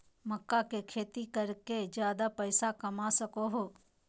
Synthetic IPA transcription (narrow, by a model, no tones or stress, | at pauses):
məkːakekʰeːt̪ikɐɾked͡ʒjaːd̪apəɪsakɐmasɐkoɦoː